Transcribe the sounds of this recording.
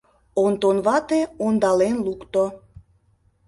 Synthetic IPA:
ont̪onβɑt̪eond̪ɑlenlukt̪o

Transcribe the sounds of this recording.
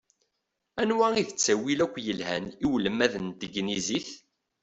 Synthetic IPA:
ænwæiθət͡sːæwilækʷːjəlhæ̰niwləmːæðənt̪əɡniziθ

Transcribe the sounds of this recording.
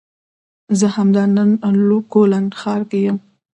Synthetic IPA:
zəhamd̪ɑnənlokolanxɑɾkejəm

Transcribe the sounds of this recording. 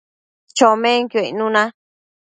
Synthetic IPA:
t͡ʃomẽŋkoinũnã

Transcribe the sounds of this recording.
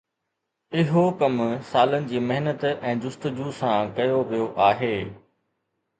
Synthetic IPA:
ɪɦokɐmsaːlənɪ̆d͡ʑiːmɐɦnət̪ɛ̃ːd͡ʑʊst̪əd͡ʑusãkɐjoʋijoʔaːɦeː

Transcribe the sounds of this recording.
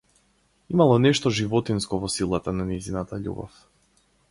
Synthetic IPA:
imalˠɔnɛʃt̪ɔʒivɔt̪inskɔvɔsilˠat̪ananizinat̪aʎṵbɔ̰f

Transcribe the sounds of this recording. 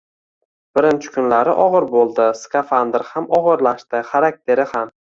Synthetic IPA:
b̥ɪɾɪnt͡ʃʰɪ̥kʰʊnlaɾɪʔɒʁɨɾbolˠd̪ɪskʰafand̪ɪɾhamɒʁɨɾlaʃt̪ɪχaɾak̚t̪ʰe̞ɾɪham

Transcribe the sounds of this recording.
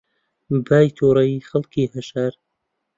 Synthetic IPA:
baːjt̪ʰuːɾɐjiːxɐlkiːhɐʃaɾ

